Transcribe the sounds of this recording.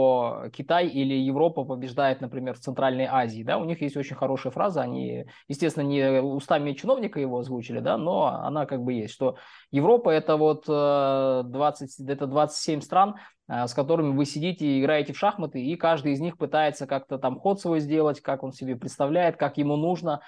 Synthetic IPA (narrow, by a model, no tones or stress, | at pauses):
okʲɪt̪ajilʲɪjɪvɾo̞pəpəbʲɪʐd̪ajɪt̪nəpɾʲɪmʲe̞rft̪sɨnt̪ɾalʲnəjʔazʲɪːd̪a̰ʊnʲixjesʲtʲo̞t͡ɕɪnʲxɐɾo̞ʂɨjəfɾa̰zɨɐnʲḭ | jɪsʲtʲesʲɪnənʲɪʊst̪amʲɪət͡ɕɪno̞vnʲɪkəjɪvo̞ɐzvut͡ɕɪlʲɪd̪a̰no̞ɐ̰nakaɡ̚bɨjesʲtʲʂt̪o̞ | jɪvɾo̞pəɛt̪əvo̞t̪ː | d̪vat̪sɨtʲɛt̪əd̪vat̪sɨtʲsʲemʲst̪ɾan | əskɐt̪o̞ɾɨmʲɪvɨsʲɪdʲitʲɪɪɡɾajɪtʲɪfʂaxmət̪ɨikaʐd̪ɨɪzʲnʲixpɨt̪ajɪt̪səkak̚t̪ət̪amxo̞t̪svo̞jzʲdʲe̞lˠətʲkako̞nsʲɪbʲepɾʲɪt̪st̪ɐvlʲæjɪt̪̚kakjɪmunuʐnə